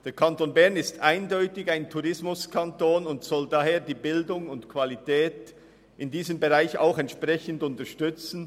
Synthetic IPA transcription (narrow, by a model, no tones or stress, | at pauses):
d̥eːɐkʰantonbɛɐnɪstʔaɪndɔʏtɪçaɪntʰuʁɪsmʊskʰantoːnʊntsɔldaːɦeːɐdiːbɪldʊŋʊntkʰv̥alitɛːt | ʔɪndiːzəmbeʁaɪça̰ʊxɛntʃpʁɛçən̩dʊntɐʃtʏt͡sn̩